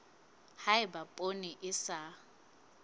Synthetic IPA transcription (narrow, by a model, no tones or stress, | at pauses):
haɪbapʼonɪʔɪsa